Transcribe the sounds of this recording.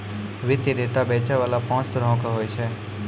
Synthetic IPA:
ʋɪt̪jeɖeːʈabeːt͡ʃaʋaːlapɔ̃ːt͡ʃt̪əɾəɦõkaɦoːjt͡ʃʰɛː

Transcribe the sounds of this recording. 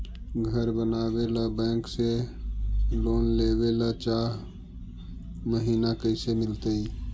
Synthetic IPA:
ɡʱəɾbənaːwelabɛ̃ːkse | loːnleːwelat͡ʃaːɦ | məɦiːnakəɪsemɪlt̪ei

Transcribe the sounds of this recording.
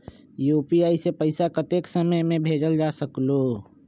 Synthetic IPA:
juːpiaːisepəɪsakət̪eːksəməjmẽbʱeːd͡ʒəld͡ʒaːsəkloː

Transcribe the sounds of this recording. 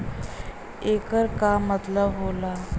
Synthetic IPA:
ekəɾkamːət̪ləbɦola

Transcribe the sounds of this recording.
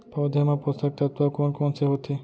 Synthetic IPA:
pɔd̪ʱemapost̪ak̚t̪at̪uakonkɔnseɦot̪ʰi

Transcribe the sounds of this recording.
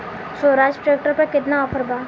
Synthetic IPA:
soːɾaːd͡ʒʈɾeːkʈəɾpɐɾkɪt̪naɔpʰəɾbaː

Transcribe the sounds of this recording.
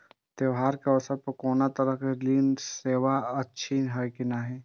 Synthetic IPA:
t̪eʋɦaːɾkeɔsəɾpɐkɔːnat̪ɐɾəkeliːnseːʋaɐtːʃʰinɦajkinaɦɛː

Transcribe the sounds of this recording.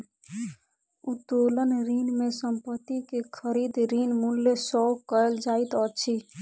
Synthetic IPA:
ut̪olənɾinmesəmpət̪ːikekʰəɾid̪ɾinmulːesɔwkəeld͡ʒait̪ɔt͡ʃʰi

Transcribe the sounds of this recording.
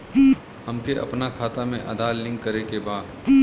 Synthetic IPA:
ɐmkeʔɐ̰pnakʰaːt̪amẽʔɐ̰d̪aːlɪ̃ŋkːɐɾekebaːd̪

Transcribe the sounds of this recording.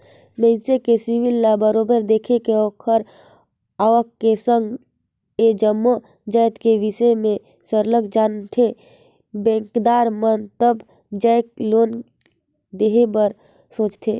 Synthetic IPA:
mə̃ɪnsekesiwilːabəɾobəɾd̪eːkʰekeɔːkʰəɾ | aːʋəkːesə̃ŋɡ | ed͡ʒəmːo | d͡ʒəɪt̪keʋisəmẽ | səɾləɡd͡ʒaːnt̪ʰe | bɛ̃ːŋkd̪aːɾmənt̪əb | d͡ʒəɪk̚loːn | d̪eːɦebəɾ | sõːt͡ʃt̪ʰe

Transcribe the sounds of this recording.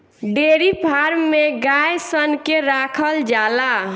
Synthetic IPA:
ɖeɾipʰaɾmeɡajsənkeɾakʰəld͡ʒala

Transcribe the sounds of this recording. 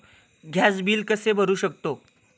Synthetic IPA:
ɡʱjasbiːlkəsebʱəɾuːɕək̚t̪o

